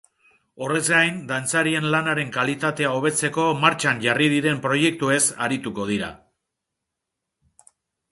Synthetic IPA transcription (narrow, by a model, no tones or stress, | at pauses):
o̞re̞zɡajnd̪ant͡saɾie̞nlanaɾe̞ŋkalit̪at̪e̞aoβe̞t͡se̞ko̞maɾt͡ʃanʝariðiɾe̞mpɾo̞je̞k̚t̪ue̞saɾit̪uko̞ð̞iɾa̰